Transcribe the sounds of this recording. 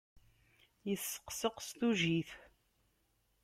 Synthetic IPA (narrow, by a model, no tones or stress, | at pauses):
jəθsːə̥qːsəqst̪uʒiθ